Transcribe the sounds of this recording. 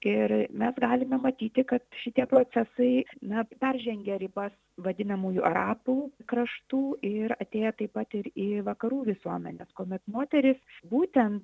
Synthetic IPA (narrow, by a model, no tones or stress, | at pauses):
ɪɾmʲɛsɡɑːlʲɪmʲɛmɐt̪ʲiːt̪ʲɪkɐt̪ʃʲɪt̪ʲiɛpɾoːt͡s̪ʲɛsɐɪnɐpʲɛrʲʒʲɛŋʲɡʲɛɾʲɪbɐs | ʋɐd̪ʲɪnɐmuːjuʔɐɾɑːpuːkɾɐʃt̪uːʔɪɾɐt̪ʲeːjɛt̪ɐɪpɐt̪ɪɾiːʋɐkɐɾuːʋʲɪsuɔmʲɛnʲeskoːmʲɛt̪moːt̪ʲɛɾʲɪsbuːt̪ʲɛnt̪